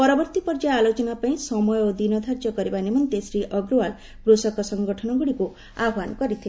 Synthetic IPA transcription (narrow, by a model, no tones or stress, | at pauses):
pɔɾɔbɔɾt̪ipɔɾd͡ʒaːlot͡ʃɔnapaĩsɔmɔjɔod̪inɔd̪ʱaɾd͡ʒɔkɔɾibanimɔnt̪esɾiʔɔɡɾuwal | kɾusɔkɔsɔŋɡɔʈʰɔnɔɡuɽiku | aɦwankɔɾit̪ʰi